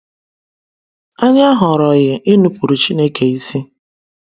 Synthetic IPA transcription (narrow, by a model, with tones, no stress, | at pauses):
a˦ɲa˦ɦʊ˨ɾɔ˨ɣɪ˨ʔɪ˦nu˨pu˨ɾu˨t͡ʃi˦ne˦ke˨i˦si˦